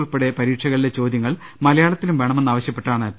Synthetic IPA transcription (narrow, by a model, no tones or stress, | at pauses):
ɭpeɽe̞pɐɾiːʈʂɐɣɐɭile̞t͡ɕo̞ːd̪jɐŋːɐɭ | mɐlɐjaːɭɐt̪ːilumʋeɳɐmenːaːʋɐɕjɐpːe̞ʈːaːɳɨ